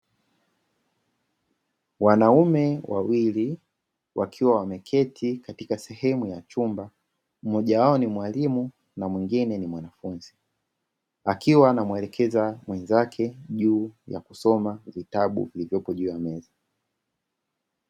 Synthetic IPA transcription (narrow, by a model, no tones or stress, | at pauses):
wanaumɛwʔawili | wʔakʰiwawamɛkʰɛtʰikatikasɛhɛmujat͡ʃumba | m̩mɔʄawaɔnimwalimu | namwiŋɡinɛnimwanafunzi | akiwanamwɛlɛkʰɛzamwɛnzakʰɛʄuːja̰kusɔmavitaɓṵvilivjɔpɔʄuːjamɛza